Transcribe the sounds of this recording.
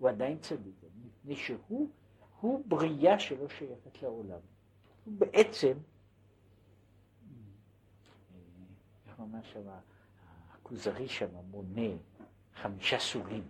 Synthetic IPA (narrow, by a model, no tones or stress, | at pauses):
uad̪ajint͡sad̪ikamipnejʃehu | hubʁijaʃelo̞ʃajaχet̪leolam | hubeʔet͡se̞m | aχmamaʁʃama | akuzaʁiʃamabo̞ne | χamiʃasulim